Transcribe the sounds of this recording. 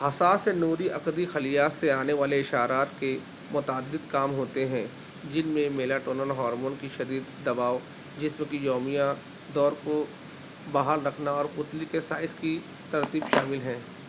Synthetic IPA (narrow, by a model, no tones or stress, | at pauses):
ɦɐsaːsenoːɾiʔɐkd̪ixɐlijaːseaːneʋaːleɪʃaːɾaːt̪ke | mʊt̪aːd̪ːɪd̪kaːmɦoːt̪eɦɛ̃ | d͡ʒɪnmẽmeːlaʈoːnənɦɔːɾmoːnkiʃɐd̪iːd̪ːɐbaːʋ | d͡ʒɪsmẽkijɔːmijã | d̪ɔːɾko | baːɦalɾɐkʰnaɔːɾʊt̪likesaːɪski | t̪ɐɾt̪iːbʃaːmɪlɦɛ̃ː